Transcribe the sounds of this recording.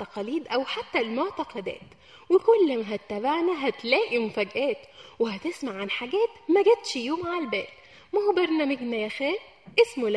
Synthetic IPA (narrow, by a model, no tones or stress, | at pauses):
t̪ːɑqɑliːd̪ʔæwħat̪ːælmoʕt̪ɑqɑd̪æ̰ːt̪ | wekolːæmæɦæt̪ːæbaʕnæɦæt̪læːʔimofæɡʔæːt̪weɦæt̪esmaʕːanħaɡæːt̪mæɡet̪ʃjoːmʕalbæːt̪ | mæhobɑɾˤnæːmeɡnæjæxæːl | ʔesmol